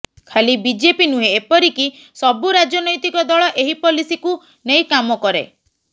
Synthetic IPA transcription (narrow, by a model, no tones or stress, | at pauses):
kʰalibid͡ʒepinuɦeepɔɾiki | sɔbuɾad͡ʒɔnɔjt̪ikɔd̪ɔɭɔʔeɦipɔlisiku | nejkamɔkɔɾḛ